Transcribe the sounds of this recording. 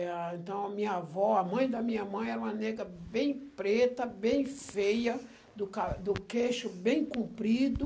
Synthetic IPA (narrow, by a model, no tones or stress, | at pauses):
ẽnt̪ɐ̃w̃ɐmĩɲɐavɔɐmɐ̃j̃d̪ɐmĩɲɐmɐ̃j̃ɛɾɐũmɐneɡɾɐbẽj̃pɾet̪ɐbẽj̃fejɐ | d̪ʊkad̪ʊkeʃʊbẽj̃kũmpɾid̪ʊ